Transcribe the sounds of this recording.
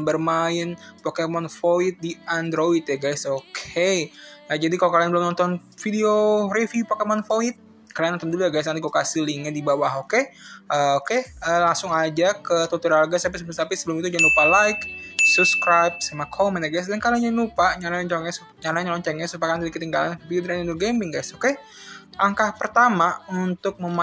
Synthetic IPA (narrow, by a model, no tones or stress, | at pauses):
mbərmaɪnpokemɔnfoɪt̪̚diandɾoit̪jaɡajsokʰejad͡ʒadikalokalianbəlʊmnɔnt̪ɔn | fideorefjupakemɔnfoɪt̪̚ | kalianːɔnt̪ɔndulujaɡajs̬ant̪ikokasiliŋadibawaɦokeəokeəlaŋsʊŋad͡ʒakət̪ut̪uɾalɡasap̬isəbəlʊmt̪apisəbəlʊmit̪ud͡ʒanupalaɪksupskɾajp̚samakʰomɛnaɡajs̬dankalaɲanupaɲalaat͡ʃɔŋɛs | ɲalaɲɲalɔɲt͡ʃɛŋɛsupakanidikət̪iŋɡala̰npiud̪ɾaninuɡɛmbɪŋɡajsoke | aŋkahpərt̪amaunt̪ʊk̚məm